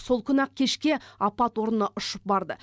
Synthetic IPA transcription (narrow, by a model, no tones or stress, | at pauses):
so̞lˠkʲʰʏnɑq̚kʲʰe̞ʃkʲe̞ɑpɑt̪wo̞ɾənɑʔʊʃəp̚bɑɾd̪ə̰